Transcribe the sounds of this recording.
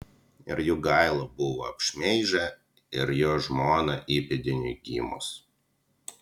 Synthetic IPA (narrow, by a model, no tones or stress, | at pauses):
ɪ̰ɾjuːɡɐˑɪlˠobʊʋoɐpʲʃʲmʲɛɪʒʲɛ | ɪɾjoːʒmoːnɐʔiːpʲɪd̪ʲɪnʲʊɪɡʲḭːmo̰ːs